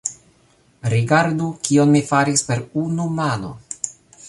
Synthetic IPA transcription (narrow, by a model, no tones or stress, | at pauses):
ɾiɡaɾdukio̞nmifaɾispe̞ɾunumano̰